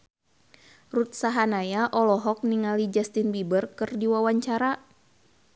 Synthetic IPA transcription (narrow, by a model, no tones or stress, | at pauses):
rut̪̚saɦanajaʔɔlɔɦɔk̚niŋalid͡ʒast̪inbibərkɨrdiwawaɲt͡ʃaɾa